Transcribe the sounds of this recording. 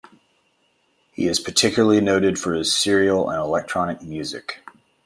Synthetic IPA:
hḭɨz̥pʰə˞tʰɪkjl̩ˠəl̩ˠinoʊɾɨd̥fə˞ɨz̥sɪɹil̩ˠə̰̃nəlɛk̚tʰɹ̥ɑnɨk̚mjʉzɨ̰k

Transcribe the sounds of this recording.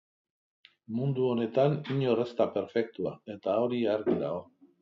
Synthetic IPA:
mund̪uo̞ne̞t̪aniɲo̞rest̪ape̞ɾfe̞k̚t̪uae̞t̪ao̞ɾiaɾɣiɾa̰o̞

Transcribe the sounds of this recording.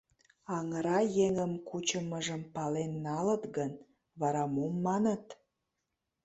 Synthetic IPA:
ɑŋəɾɑjeŋəmkut͡ɕəməʒəmpɑlenːɑlət̪ɡən | βɑɾɑmumːɑnət̪

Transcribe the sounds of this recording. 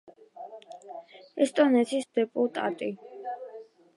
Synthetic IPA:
ɛst̪ʼɔnɛt̪sʰisd̪ɛpʼut̪ʼa̰t̪ʼi

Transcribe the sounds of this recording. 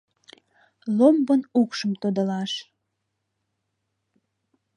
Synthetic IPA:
lombənukʃəmt̪od̪əlɑʃ

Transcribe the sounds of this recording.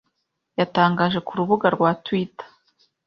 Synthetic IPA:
jataːŋɡaʒe̞kuɾuβuɡaɾɡwatwitḁ

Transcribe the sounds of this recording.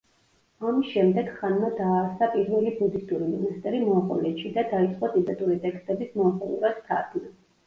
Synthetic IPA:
amisʃɛmd̪ɛɡ̥χanmad̪aːɾsapʼiɾvɛlibud̪ist̪ʼuɾimɔnast̪ʼɛɾimɔaχɔ̰lɛʃid̪ad̪ait̪sʼqʼɔd̪ʼid̪at̪ʼuɾit̪ʼɛkst̪ʼɛbismɔaχɔlˠṵɾast̪ʰa̰ɾd̪ʰnɛ

